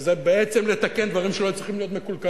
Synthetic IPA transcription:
zebeet͡semlet̪akend̪vaʁimʃelot͡sʁiχimlijo̞t̪mekulka

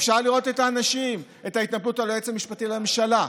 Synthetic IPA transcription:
fʃaʁliʁo̞t̪e̞taːnaʃim | e̞tait̪naplutaloet͡samiʃpatilememʃala

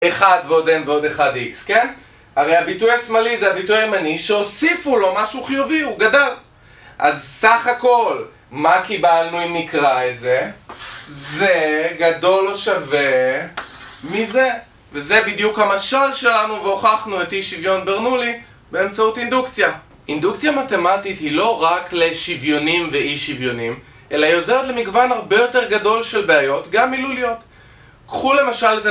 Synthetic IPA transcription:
eχadveodemveo̞deχadikske̞n | aʁejabitujasmalizeabitujaimaniʃeosifulo̞maʃuχijuviuɡadal | ʔazsaχako̞l | makibalnuimikʁaetze̞ | zeɡado̞loʃave̞ | mize | veze̞bidjukhamaʃalʃe̞lanuveoχaχnuetiʃivjo̞nbeʁnuli | be̞ːmt͡sautindukt͡sja | indukt͡sjamate̞matit̪hilo̞ʁakle̞ʃivjo̞nimveiʃivjo̞nim | ʔelaiozeʁet̪le̞miɡvanaʁbe̞jo̞te̞ʁɡado̞lʃe̞lbeajo̞tɡamːilulio̞t | kχule̞maʃaleta

